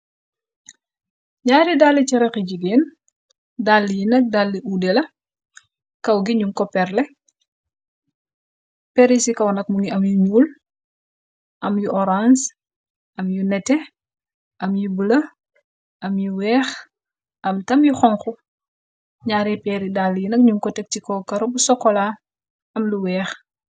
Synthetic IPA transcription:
ɲaːɾidalːiciɾɛkiɟiɡɛːn | dalːijinɐk̚dalːiʔudɛlɐ | kɐwɡiɲuŋkɔpɛrlɛ | pɛɾisikɐwnɐk̚muŋiɐmjuɲuːl | ʔɐmjuʔɔɾans | ɐmjunɛtɛ | ʔɐmjubəlɐ | ɐmjuwɛːx | ʔɐmtɐmjuxɔŋxu | ɲaːɾipɛɾidalːijinɐk̚ɲuŋkɔtɛk̚tikɔkɐɾɔbusɔkːɔla | ɐmluwɛːx

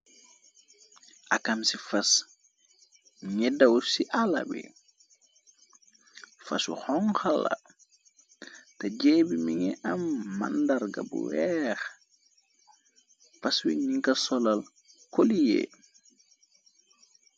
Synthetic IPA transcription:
ʔɐkɐmsifɐs | ŋɛdɐwsiʔalɐ̰bḭ | fɐ̰sṵxɔŋxalɐ̰ | tɛɟɛːbimiŋɛʔɐmːa̰ndaɾɡɐ̰bṵwɛːx | fɐswḭniŋkɐsɔlɐl | kolijɛ̰ː

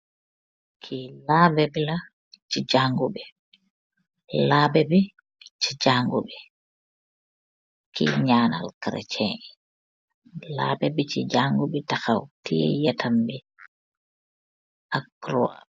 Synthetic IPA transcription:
kʰilaːbɛbila | t͡ʃid͡ʒaŋɡubɛ | laːbɛbɛ | t͡ʃid͡ʒaŋɡubɛ | kḭɲaːna̰lkɾɛ̰t͡ʃʰɛ | la̰bɛbit͡ʃid͡ʒaːŋɡuɓɛtaxawtijɛ̰jɛtʰambɛ | ʔakɾuwa̰

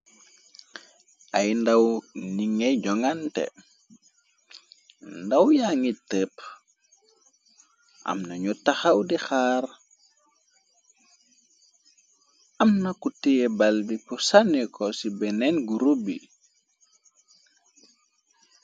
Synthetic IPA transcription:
ajndawniŋeɟɔŋantɛ̰ | ndawjaŋitəp | ʔa̰mnaɲutaxawdixaːɾ | amnakutijebalbipusanikʰɔsibɛnɛnɡuɾubḭ

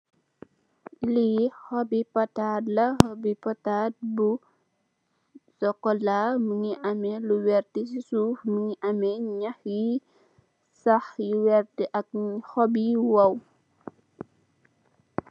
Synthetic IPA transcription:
lihɔbipɔtadlɐhɔbipɔtat̚bu | sɔkɔlamuŋiʔɐmɛluwɛrtisisuːfmuŋiʔɐmɛɲɐxji | sɐxjiwɛrtiʔɐk̚hɔbiwɐw

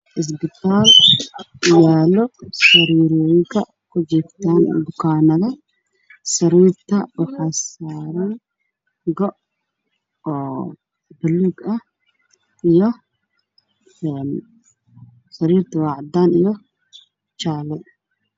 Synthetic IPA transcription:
ʔɪs̬bɪt̪aːlʔɪjaːlɔsɐɾiːɾɔːjɪŋkʰɐ | kʊd͡ʒɪɾt̪aːn̰d̪ʊkaːnɐðɐ | sɐɾiːɾt̪ɐbɐxɐsaːɾɐ | ɡɔʔ | bʊlːuɡɐ | ʔɪjɔ | ɛn | sɐɾiːɾt̪ɐwaːʕd̪aːnɪjɔ | t͡ʃaːlɛj

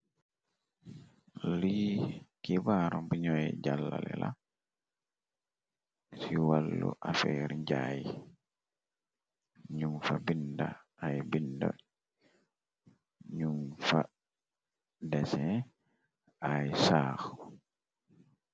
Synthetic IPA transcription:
likibaɾɔmbiɲɔjɛɟalːa̰lɛ̰la | siwalːṵʔafɛɾɲɟaji | ɲuŋfabinda | ajbinda̰ | ɲuŋfa | dɛsɛ | ajsaːxu

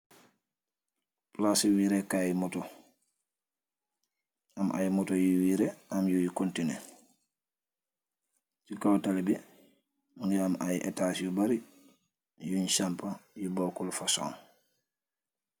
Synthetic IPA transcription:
plasiwiɾekajimɔtɔ | amʔa̰jmɔtojiwiɾeamjujikontine | cikawtalbɛ | uŋɡiamʔajʔɛ̰tasjubaɾi | juɲsampajubɔkulfaso̰ːŋ

